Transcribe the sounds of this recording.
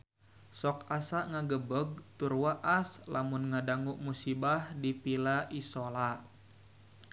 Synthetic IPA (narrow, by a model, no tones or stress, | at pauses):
sɔk̚asaʔŋaɡəbəɡ̚t̪urwaʔaslamunŋadaŋuʔmusibahdipilaʔisola